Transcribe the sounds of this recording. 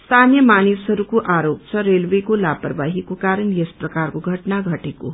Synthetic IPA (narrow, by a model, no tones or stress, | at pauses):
st̪ʰanjʌmanisɦʌɾukoʔaɾop̚t͡sʰʌɾelwekolaprbaɦikokaɾʌnjesprʌkarkoɡʱʌʈnaɡʱʌʈeko̰